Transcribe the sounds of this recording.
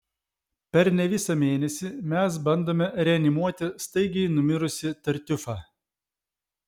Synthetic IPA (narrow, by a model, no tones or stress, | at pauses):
pʲɛɾnʲɛʋʲɪsɑmʲeːnʲɛsʲimʲɛs̬bɐnd̪oːmʲɛɾʲɛɐnʲɪmuɔt̪ʲɪst̪ɐɪɡʲɛɪnʊmʲɪɾʊsʲɪt̪ɐɾʲt̪ʲʊfɑː